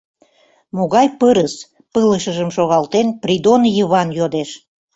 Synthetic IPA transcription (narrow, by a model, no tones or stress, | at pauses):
moɣɑjpəɾəs | pələʃəʒəmʃoɣɑlt̪enprid̪onjəβɑnjod̪eʃ